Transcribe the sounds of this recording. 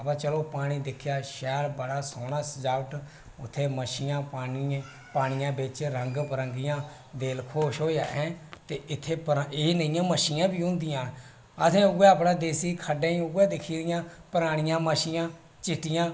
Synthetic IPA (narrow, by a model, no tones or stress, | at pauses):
əpãːt͡ʃəloːpaːɽ̃iːd̪ɪkʰjaːʃɛːɾbəɽaːsoːnaːsd͡ʒaːʋəʈ | ʊt̪ʰːeːməʃijãːpaːni | paːɽ̃ɪjãːbɪt͡ʃɾəŋɡpəɾəŋɡijãː | d̪eːlkʰoːʃɦoːja̰ːʔɛ̃ːt̪eːɪt̪ʰːeːpɾeinəĩjãːməʃiːãːbiːɦʊ̃nd̪ijãː | ət̪ẽːʊɡɛːəpnãːd̪eːsiːkʰəɖãːĩːʊɡɛːd̪ɪkʰiːɾɪjãːpəɾaːɽ̃ɪjãːməʃijãː | t͡ʃɪʈːɪjãː